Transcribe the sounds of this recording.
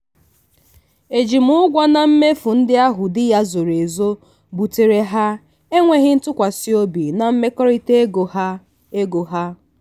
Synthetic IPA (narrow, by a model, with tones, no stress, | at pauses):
e˨d͡ʒi˨mʊ˦ʊ˦ɡʷɔ˦na˨m̩˦me˦fʊ˨n̩˦dɪ˦a˦ɦʊ˨dɪ˦ja˦zo˨ɾe˨zo˦ | bu˨te˨ɾe˦ɦa˦ | e˦ŋʷe˦ɦɪ˦n̩˦tʊ˦kʷa˨si˦o˦bi˨na˨m̩˦me˦kɔ˦ɾi˦te˦ɡo˨˦ | e˦ɡo˨ɦa˦